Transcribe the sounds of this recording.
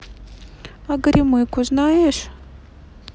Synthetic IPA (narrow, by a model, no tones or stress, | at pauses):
aɡɐɾʲimɨkuznajeʃ